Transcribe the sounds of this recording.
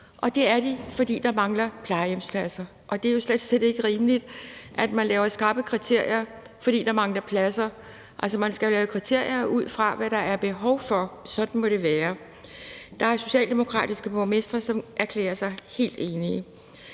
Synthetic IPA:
ʔɒ̽d̥e̝æɐd̥ifɒ̽d̥ḭːd̥ɑ̈mɑ̈ŋlɐpʰlɑ̈ɪjemspʰlæsɐ | ʔɒ̽d̥e̝æjo̝sled̥sed̥e̝ɡ̥əʁiːməlid̥ʔæd̥mænlɛːʊɐsɡ̥ɑ̈ːb̥əkʰʁit͡sʰe̝ɐ̰jɐ | fɒ̽d̥ḭːd̥ɑ̈mɑ̈ŋlɐpʰlæsɐ | ʔælsɒmænsɡ̥ælɛːʊəkʰʁit͡sʰe̝ɐ̰jɐʔuð̞̰ˠfʁɑ̈ʋæɾ̥ɑ̈ʔæɐb̥e̝ɦɒ̽ʊfɒ̽sɒ̽d̥n̩mɒ̽ɾ̥e̝ʋæːɐ | d̥ɑ̈æɐso̝ɕɛ̰ːld̥e̝mo̝kʰʁɑ̰̈ːd̥isɡ̥əbomesd̥ʁɐsɒ̽mʔæɐkʰlḛːɐsɑ̈ɪhe̝̰ːld̥e̝ːniə

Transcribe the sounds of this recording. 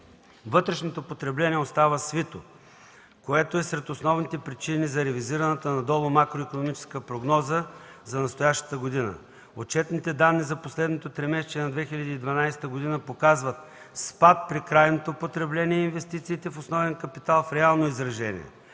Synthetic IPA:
vɤt̪ɾɛʃnot̪opot̪ɾɛblɛniɛost̪avəsvit̪o | koɛt̪oɛsɾɛt̪osnɔvnit̪ɛpɾit͡ʃinizɐɾɛviziɾɐnət̪ənɐd̪ɔlˠomakɾoikonomit͡ʃɛ̥skəpɾoɡnɔzəzɐnɐst̪ojaʃt̪ə̥t̪əɡod̪inə̰ | ot͡ʃɛt̪nit̪ɛd̪anːizɐposlɛd̪not̪ot̪ɾɛmɛst͡ʃ̪iɛnɐd̪vɛxilʲɐd̪iːd̪vɐnajst̪əɡod̪inəpokazvət̪̚ | spat̪̚pɾikɾajnot̪opot̪ɾɛblɛniɛinvɛst̪it̪siːt̪ɛfosnɔvɛnkɐpit̪alˠfɾɛalˠnoizɾɐʒɛnʲḭɛ̰

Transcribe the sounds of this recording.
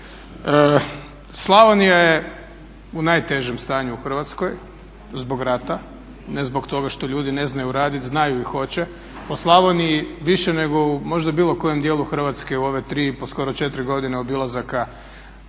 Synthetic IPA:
ə | slˠaʋonijaje | unajt̪e̞ʒemst̪aːɲuuxr̩ʋat̪sko̞j | zbo̞ɡɾat̪a | nezbo̞kt̪o̞ɡaʃt̪oʎuːd̪ine̞znajuɾaːd̪it̪znajuixo̞t͡ɕe | oslˠaʋonijiʋiʃene̞ɡo̞umo̞ʒd̪abiːlˠo̞ko̞je̞md̪jeːlˠuxr̩ʋat̪ske̞uo̞ʋe̞t̪ɾiːpo̞sko̞ɾo̞t͡ʃet̪ɾiɡo̞d̪ineo̞bilˠazaka

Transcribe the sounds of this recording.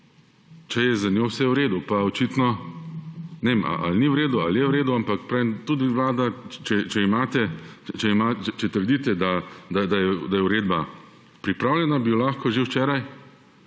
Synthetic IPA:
t͡ʃɛjɛzanʲjoːwsɛwɾeːd̪upaɔt͡ʃiːt̪nɔ | nɛema̰ʔa̰lniwɾeːd̪ualjɛwɾeːd̪uampakpɾaemt̪ud̪iwlaːd̪at͡ʃɛt͡ʃɛimaːt̪ɛt͡ʃɛimat͡ʃɛt͡ʃɛt̪əɾd̪iːt̪ɛd̪ad̪ad̪ajɛd̪ajɛʊɾeːd̪ba | pɾipɾaːwlʲɛnabilaːxkɔʒewt͡ʃɛːɾaj

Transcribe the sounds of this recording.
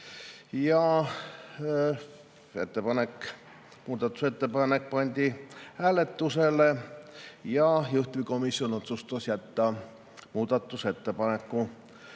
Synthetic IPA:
jɑ | e̞̰t̪ːepɑnekː | muːd̪̥ɑt̪ːˑu̥set̪ːepɑnek̚pɑnʲd̪ʲihæːle̞t̪ːuse̞le | jɑjuht̪viko̞misːjo̞no̞t̪sust̪ɑsjæt̪ːɑ | muːd̪̥ɑt̪ːˑuse̞t̪ːe̞pɑne̞kːu

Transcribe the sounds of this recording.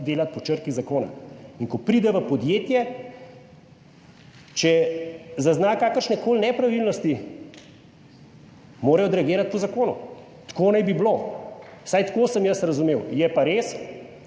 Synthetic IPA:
d̪eːlat̪̚pɔt͡ʃəɾkizakoːna̰iŋkɔpɾiːd̪ɛʋəpɔd̪jeːt̪jɛ | t͡ʃɛzaznaːkaːkəɾʃnɛkoːlnɛpɾaʋilnɔst̪i | moːɾɐjɔd̪ɾɛaɡeːɾat̪̚pɔzakoːnṵ | t̪koːnajbiblo | sajt̪koːsəmjəsɾɐzumeːwjɛpaɾeːs

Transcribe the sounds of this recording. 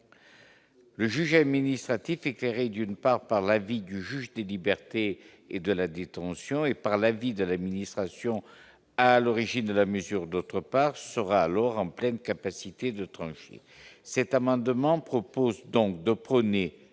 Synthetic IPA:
ləʒyʒad̪minist̪χat̪ifekleʁed̪ynpaʁpaʁlavid̪yʒyʒd̪elibɛʁt̪e | ed̪əlad̪et̪ɑ̃sjɔ̃epaʁlavid̪əlad̪minist̪χasjɔ̃ | alɔʁiʒind̪əlaməzyʁd̪ot̪χəpaʁsəʁaːlɔʁɑ̃plɛnkapasit̪ed̪ət̪χɑ̃ʃḛ | sɛt̪amɑ̃d̪mɑ̃pχɔpozd̪ɔ̃kd̪əpχəne

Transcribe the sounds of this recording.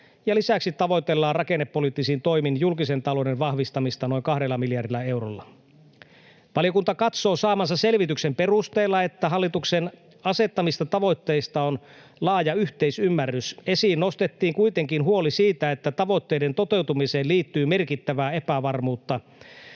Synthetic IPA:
jɑlisæksit̪ːɑʋo̞jt̪elːɑːrɑkenːepːo̞liˑt̪ːisint̪o̞jminjulkisent̪ɑlo̞denʋɑhʋist̪ɑmist̪ɑno̞iŋkɑhdelːɑmiljɑrdilːˑɑe̞wrolːɑ | ʋɑlijo̞kunt̪ɑkɑt̪so̞ːsɑːmɑnsɑse̞lʋit̪yksempe̞rust̪eːlːɑe̞t̪ːæɦɑlːit̪uksen | ɑse̞t̪ːɑmist̪ɑt̪ɑʋo̞jt̪ːe̞ːst̪ɑon | lɑːjɑyçt̪eisymːærːyse̞siːnnost̪et̪ːiːŋkuit̪eŋkinɦuo̞lisiːt̪æet̪ːæt̪ɑʋo̞t̪ːe̞jdent̪o̞t̪e̞wt̪umise̞ːliːt̪ːyːme̞rkit̪ːæʋæːe̞pæʋɑrmuːt̪ːɑ

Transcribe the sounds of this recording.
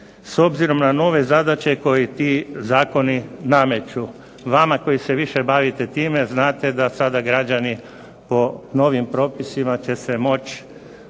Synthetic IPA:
so̞bziɾo̞mnano̞ːʋe̞zad̪at͡ɕe̞ko̞jit̪izaːko̞niname̞t͡ʃu | ʋamako̞jise̞ʋiʃe̞baʋit̪et̪iːme̞znaːt̪e̞d̪asad̪aɡɾad͡ʒani | po̞no̞ʋimpɾo̞ːpisimat͡ɕe̞se̞mo̞t͡ʃ

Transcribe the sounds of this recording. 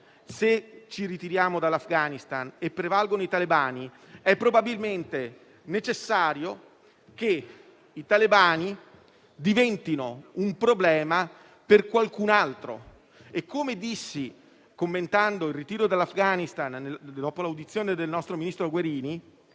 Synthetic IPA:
set͡ʃiɾit̪iɾjaːmod̪alːafɡaːnist̪anepːɾevalɡonoit̪alibaːni | ɛpːɾobabilment̪e | net͡ʃesːaːɾjo | k̟e | it̪alibaːni | d̪ivɛnt̪inoumpɾoblɛːma | perkwalkunalt̪ɾo̰ | ekʰːomed̪isːi | komːent̪and̪oilrit̪iːɾod̪alːafɡaːnist̪anːd̪ɔːpolawd̪it̪sːjoːned̪elnɔst̪ɾominist̪ɾoɡweɾiːni

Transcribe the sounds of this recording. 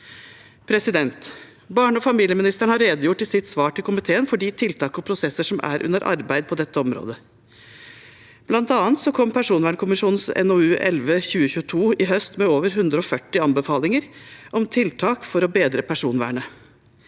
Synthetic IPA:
pʰɾɛsɪd̪ɛnt̪ | bɑːɳəɔfɑmiːljəmɪnɪst̪əɳhɑɾːeːd̪əjʊʈːɪsɪt̪sʋɑːʈʰɪlkʰʊmɪt̪ʰeːənfɔɖiːt̪ʰɪlt̪ʰɑːkɔpʰɾʊsɛsːəʂɔmʔæ̰ɾʔʉ̰nəɾʔɑ̰ɾbæɪd̪̚pʰɔd̪ɛt̪ːəɔmɾo̰ːd̪ə | b̥lɑnt̪ɑːnt̪sɔkʰɔmːpʰæʂuːnʋæːɳəkʰʊmɪʂuːnnsɛ̰noʉːʔɛ̰lʋəçʉːəçʉːət̪ʰuːɪɦœst̪mɛoːʋəɾɦʉnd̪ɾəɔfœʈːɪɑnbəfɑːlɪŋəɾʔɔmt̪ʰɪlt̪ʰɑːkfɔɾɔbeːd̪ɾəpʰæʂuːnʋæ̰ːɳə

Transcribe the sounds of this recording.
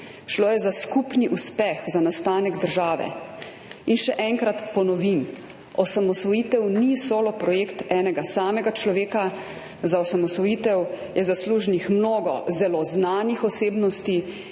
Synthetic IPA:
ʃloːjɛzaskupniʔuspɛxzanast̪aːnɛɡd̪əɾʒaːʋɛ̰ | inʃɛʔɛŋkɾat̪pɔnɔʋim | ɔsamɔsʋɔjit̪ɛwnisoːlɔpɾɔjeːkt̪ɛːnɛɡasaːmɛɡat͡ʃlɔʋeːka | zaɔsamɔsʋɔjiːt̪ɛw | jʔɛzasluːʒnixmnoːɡɔ̰zɛlɔznaːnixɔseːbnɔst̪i

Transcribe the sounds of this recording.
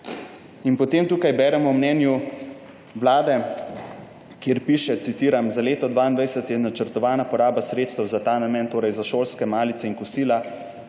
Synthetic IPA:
inpɔt̪eːmt̪uːkajbɛːɾɛmɔwmnɛːnju | ʋlaːd̪ɛ | kjeɾpiʃɛt̪sit̪iːɾamzaleːt̪ɔd̪ʋaːind̪ʋajsɛt̪jɛnat͡ʃəɾt̪ɔʋaːnapɔɾaːbasɾeːt̪st̪əwzat̪aːnamɛːnt̪oːɾɛjzaʃoːlskɛmaːlit̪sɛinkusiːla

